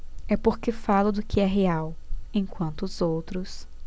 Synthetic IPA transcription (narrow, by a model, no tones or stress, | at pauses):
ɛpoɾkefalʊd̪ʊkɪɛɦeawẽj̃kwɐ̃nt̪ʊːzowt̪ɾʊs